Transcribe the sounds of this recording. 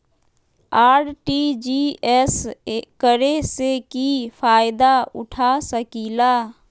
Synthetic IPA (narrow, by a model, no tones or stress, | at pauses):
aːɽʈid͡ʒiːɛskəɾesekipaːjɪd̪aʊ̰ʈʰasəkiːlaː